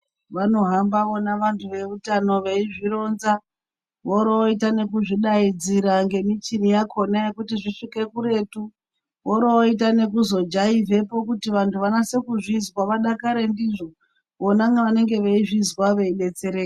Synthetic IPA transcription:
ʋano̞ɦambaʋonaʋantʰuʋe̞utano̞ʋeiʐiɾo̞nza | ʋoɾoitane̞kuʐiɗaid͡ziɾaŋɡe̞mit͡ʃinijakʰo̞naekutiʐiʂike̞kuɾe̞ːtu | ʋoɾooitane̞kuzo̞d͡ʒaive̞po̞kutiʋantʰuʋanase̞kuʐizwaʋaɗakaɾe̞ndiʐo̞ | ʋonaŋɡaʋane̞ŋɡe̞ʋeiʐizwaʋeiɗe̞t͡se̞ɾeːke

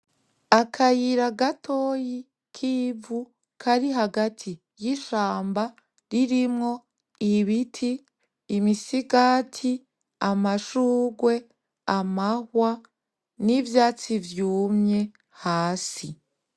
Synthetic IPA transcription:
akʰajiɾaɡatʰoːji | kʰiːvu | kʰaɾiɦaɡatʰi | jiʃaːmba | ɾiɾimŋo̞ | iβitʰiː | misiɡatʰi | amaʃuːɡwe̞ | amahwa | nivjaːt͡sivjuːmɲe̞ | haːsi

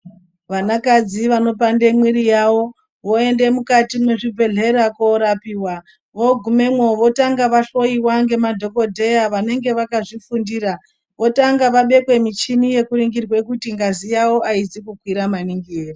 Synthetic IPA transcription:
ʋanakad͡ziʋano̞pande̞mwiɾijawo̞ | ʋo̞ende̞mukatimweʐibʱe̞ɮe̞ɾakoɾapiːwa | ʋo̞ɡʱume̞mwo̞ʋo̞taŋɡaʋaɬo̞iwaŋɡe̞madʱo̞ko̞dʱe̞jaʋane̞ŋɡe̞ʋakaʐifundira | ʋo̞taŋɡaʋaɓe̞kwe̞mit͡ʃinije̞kuɾiŋɡirwe̞kutiŋɡazijawo̞ʔaizikukwiɾamaniŋɡieːri

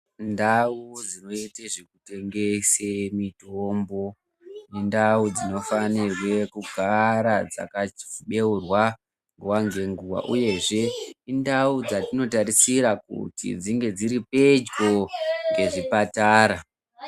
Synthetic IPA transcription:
ndaud͡zino̞iteʐekute̞ŋɡe̞semitombo̞ | nendaud͡zino̞fanirwe̞kuɡʱaɾad͡za̰kaɓe̞urwa | ŋɡuwaŋɡe̞ŋɡuwa̰ʔuje̞ʐe̞indaud͡zatino̞taɾisiɾakṵtḭd͡ziŋɡe̞d͡ziɾipe̞d͡ʒɡo̞ŋɡe̞ʐipataːɾa

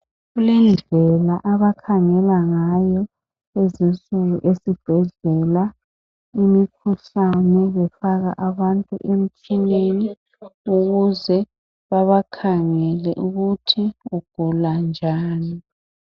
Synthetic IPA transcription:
ɣulɛnd͡ɮʱɛlaʔaβakʰaŋɛlaŋajɔ | ezinsʼuɣuʔesib̥ʱɛɮɛla | imikʰuɬanɛβɛfaɣa̰ʔaβantʼṵʔem̩t͡ʃʰineni | uɣuzɛ | βaβakʰaŋɛlɛʔuɣutʰiuɡ̥ʱuland͡ʒʱaːni

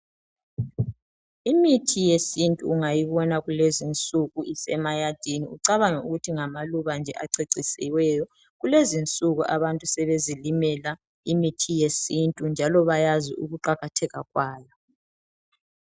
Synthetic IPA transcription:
imitʰijesintʼṵːŋajiβɔnaɣulezint͡sʼuɣuisɛmajad̥ʱiniuǀaβaŋɛuɣutʰiŋamaluβand͡ʒʱɛʔaǀeǀisɛ̰wɛjɔ | ɣulezint͡sʼuɣuʔaβantʼusɛβezilimɛla | imitʰijesintʼund͡ʒʱalɔβajazḭʔṵɣuǃaɣatʰɛɣaɣwaːjɔ

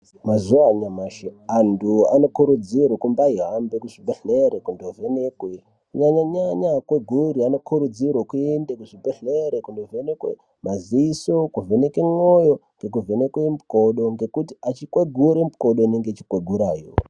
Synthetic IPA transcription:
mazuaɲamaʃeanduano̞kuɾud͡zirwokumbaiɦambekuʐibeɬeɾekundove̞nekwe | kɲaɲaɲaɲakweɡʱuɾiano̞kʰuɾud͡zirwokuendekuʐibeɬeɾekundovenekwḛ | maziisokuvenekemojo̞ŋɡe̞k̬uve̞nekwemukoɗo̞ŋɡe̞kutiat͡ʃikweɡʱuɾemuko̞ɗoineŋɡet͡ʃi̥kweɡʱuɾaːjo̰

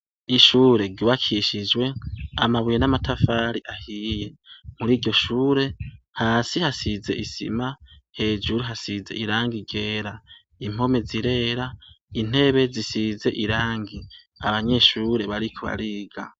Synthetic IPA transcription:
iʃuːɾe̞ɾɟuːβakʰiʃid͡ʒwe̞amaβujenamatʰafaːɾiʔahije̞muɾiːɾɟo̞ʃuːɾe̞ | haːsihasize̞̰ʔisḭmahe̞ːd͡ʒuɾuɦasize̞̰ʔiɾaːŋɡiɡe̞ːɾa | im̥o̞me̞ziɾe̞ɾa | in̥e̞βe̞zisize̞ʔiɾaːŋɡi | aβaɲe̞ʃuːɾe̞βaɾikʰoβa̰ɾiːɡa̰

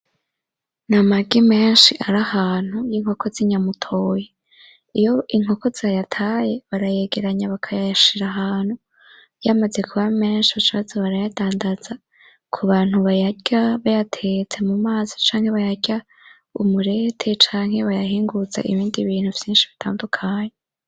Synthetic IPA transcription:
namaɡime̞ːnʃiʔaɾahaːn̥hujiŋho̞ko̞ziɲamutʰo̞ːje | ijo̞ʔiŋho̞ko̞zajatʰaːje̞βaɾaje̞ɡe̞ɾaɲaβakʰajajaʃiɾaɦaːn̥hu | jamaze̞kʰuβame̞ːnʃiβat͡ʃiβazaβaɾajad̥aːndaz̥a | kʰuβaːn̥huβajaɟaβajatʰet͡se̞mumaːzi̥t͡ʃaːŋ̥he̞βajaɡɟa | umuɾe̞tʰe̞t͡ʃaːŋ̥he̞βajaɦiːŋɡuza̰ʔḭβiːndiβiːn̥huvjiːnʃiβitʰaːndukʰaːɲe

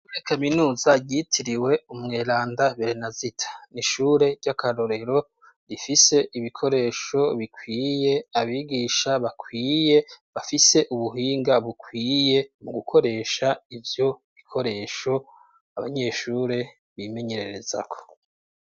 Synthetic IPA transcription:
uekʰaminuːzaɟitʰiɾiwe̞umŋeːɾaːndaβeɾenazitʰḁniʃuːɾe̞ɟakʰaɾo̞ɾe̞ɾo̞ | ɾifise̞ʔiβikʰo̞ɾe̞ːʃo̞βikʰwiːje̞aβiɡiːʃaβakʰwiːjeβafise̞ʔuβuɦiːŋɡaβukwiːje̞muɡukʰo̞ɾe̞ʃaivjo̞βikʰo̞ɾe̞ːʃo̞ | aβa̰ɲe̞ːʃuːɾe̞ | βime̞ɲe̞ɾe̞ɾe̞za̰kʰo̥

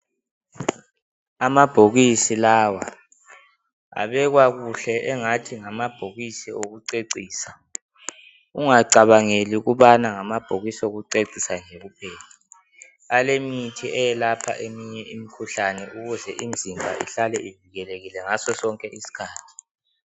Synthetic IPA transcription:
amab̥ʱoɣisilaːwa | a̰βɛɣwaɣuɬɛʔɛŋatʰiŋamab̥ʱoɣisioɣuǀeǀiːsa | uŋaǀaβaŋeliɣuβanaŋamab̥ʱoɣisoɣuǀeǀisaɲeɣupʰɛːli | alemitʰiɛjɛlapʰa̰ʔemiɲɛʔimikʰuɬanɛʔuɣuzɛʔimd͡zʱimbʱa̰ʔḭɬalɛʔiviɣɛleɣilɛŋasɔsɔŋkʼɛʔisi̥kʰaːtʰi̥

